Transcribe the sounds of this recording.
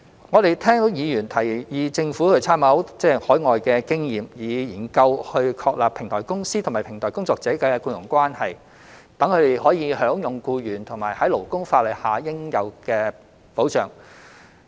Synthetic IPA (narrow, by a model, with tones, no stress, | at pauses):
ŋɔː˨˧t̪e˨jt̪ʰɛː˥ŋt̪o˨˥wjiː˨˧jyː˨˩nt̪ʰɐ˨˩jjiː˨˧t͡sɪ˧ŋfuː˨˥kʰɵ˧t͡sʰaː˥mɐ˨˥wt͡sɛː˥˩hɔː˨˥jŋɔː˨jkɛː˧kɪ˥ŋjiː˨mjiː˨˧jiː˨˩nkɐ˧whɵ˧ɥkʰɔː˧k̚laː˨pʰɪ˨˩ŋt̪ʰɔː˨˩jkʊ˥ŋsiː˥t̪ʰma˨˩pʰɪ˨˩ŋt̪ʰɔː˨˩kʊ˥ŋt͡sɔː˧k̚t͡sɛː˨˥kɛ˧kuː˧njʊ˨˩ŋkʷwaː˥nhɐ˨j | t̪ɐ˨˥ŋkʰɵ˨˧t̪e˨jhɔː˨˥jiː˨˧hœː˨˥ŋjʊ˨˩ŋkuː˧jyː˨˩nt̪ʰʊ˨˩ŋmaː˨˩jhɐ˨˥jlo˨˩wkʊ˥ŋfaː˧t̚lɐ˨˩jhaː˨˧jɪ˥ŋjɐ˨˧wkɛː˧ | po˨˥wt͡ʃœː˨˩ŋ